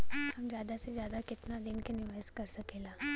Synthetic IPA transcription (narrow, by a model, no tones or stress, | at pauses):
hɐmzjaːd̪asezjaːd̪akɪt̪nad̪ɪnkenɪʋəːskɐɾsɐkeːlaː